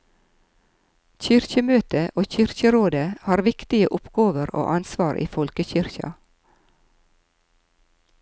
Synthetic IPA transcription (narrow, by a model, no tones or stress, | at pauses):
çʏɾçəmøːt̪əʔoːçʏɾçəɾoːd̪əhɑːɾʋɪkt̪ɪəʔʊpɡoːʋəɾo̰ːʔɑnsʋɑːɾʔḭːfɔlkəçʏɾçɑ̰